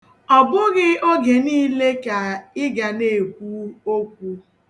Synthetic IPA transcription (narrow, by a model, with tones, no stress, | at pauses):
ɔ˨bʊ˦ɣɪ˦o˦ɡe˨niː˦le˦ka˨ɪ˦ɡa˨ne˨kʷu˦o˦kʷu˦